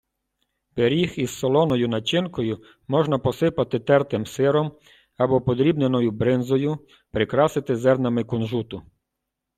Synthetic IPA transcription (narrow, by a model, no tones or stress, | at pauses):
peɾʲixiz̥ːɔlˠɔnɔjʊnɐt͡ʃɪnkɔjʊ | mɔʒnɐpɔsɪpɐt̪ɪt̪ɛrt̪ɪmsɪɾɔm | ɐbɔpɔd̪ɾʲibnenɔjʊbɾɪnzɔjʊ | pɾɪkɾɑsɪt̪ɪzɛrnɐmɪkɔnʒut̪ʊ